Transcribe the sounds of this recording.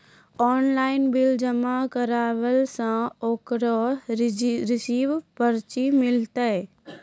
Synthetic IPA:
ɔːnlaːɪnbɪld͡ʒəmakəɾaːwəlsãoːkɾɔ | ɾɪsiːʋpəɾt͡ʃimɪlt̪ə

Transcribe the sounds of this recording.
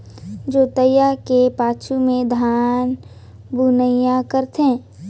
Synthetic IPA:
d͡ʒoːt̪əjakepaːt͡ʃʰumẽd̪ʱaːn | buːnəjãkəɾt̪ɦẽ

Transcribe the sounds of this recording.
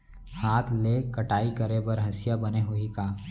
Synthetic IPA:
haːt̪ʰleːkɐʈaːikɐɾebɐɾɦɐsɪjabɐneɦoikaː

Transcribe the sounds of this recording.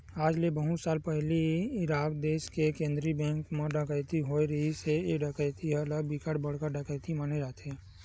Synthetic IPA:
aːd͡ʒlebəɦʊt̪saːlpɛɦliɪɾaːkd̪eːʃkekẽːnd̪ɾibɛ̃ːŋkmẽɖəkəɪt̪iɦoːiɾəɦiseeɖəkəɪt̪iɦɛləbɪkəɽbəɽ̤kəɾɖəkəɪt̪imaːned͡ʒaːt̪ɦɛː

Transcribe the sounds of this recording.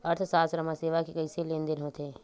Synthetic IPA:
ɐɾt̪ʰsaːsɾəmaseːʋakekɐɪseleːnd̪ɪnɦoːt̪eɦɛ̃ː

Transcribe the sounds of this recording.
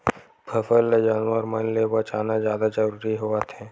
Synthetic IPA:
bʰʱɐfəlːed͡ʒaːnwəɾmənlebɐt͡ʃaːnazjaːd̪ad͡ʒɐɾuːɾiɦoat̪ʰɛː

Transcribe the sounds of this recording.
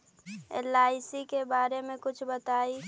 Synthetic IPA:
ḛlaːɪsikebaːɾemẽkʊt͡ʃʰbət̪aːi

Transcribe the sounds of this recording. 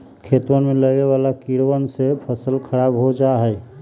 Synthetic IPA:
kʰet̪wənmẽləɡewalakiɽwənsepʰəsəlkʰəɾaːbɦod͡ʒaɦɛː

